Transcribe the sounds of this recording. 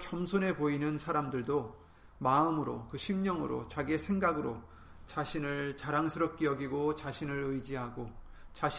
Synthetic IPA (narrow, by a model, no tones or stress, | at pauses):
kjʌmsʰone̞poinɯnsʰaɾamdɯɭdo | maɯmɯɾo̰kɯɕʰimɲʌŋɯɾo̰t͡ɕaɡie̞sʰe̞ŋɡaɡɯɾo | t͡ɕaɕʰinɯɭt͡ɕaɾaŋsʰɯɾʌp̚k͈ejʌɡiɡot͡ɕaɕʰinɯɾɯjd͡ʑiɦaɡo | t͡ɕaɕ